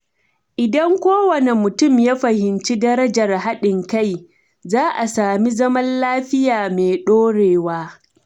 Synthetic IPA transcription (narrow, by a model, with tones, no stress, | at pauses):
ʔɪ˨dɐ˦ŋkʷoː˦wɐ˨ne˨mʊ˨tʊ˦˨mjaː˦ɸɐ˨hɪ˨nt͡ʃi˦dɐ˦ɾɐ˦d͡ʒɐ˨rɦa˦ɗɪ˨ŋka˦˨j | zaː˦ʔa˨saː˨mi˦zɐ˦mɐ˦nlaː˦ɸɪ˦jaː˨meː˨ɗoː˦ɽeː˨waː˦